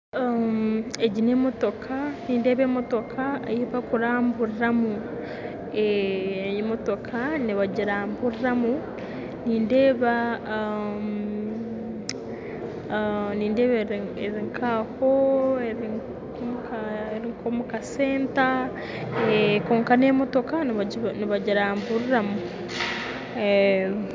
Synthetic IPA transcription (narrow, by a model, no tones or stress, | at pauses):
ameɟinemoto̞kʰaniːnde̞ːβeːmoto̞kʰaejiβakuɾaːmbuɾiɾamu | e | moto̞kʰaniβaɟiɾaːmbuɾiɾamu | niːnde̞ːβa | m | niːndeːβeɾeɾiŋkʰahoeɾi | komukaeɾiŋkomukase̞ːnta | ekoːŋkaneːmoto̞kaniβaɟiɾaːmbuɾiɾamu | e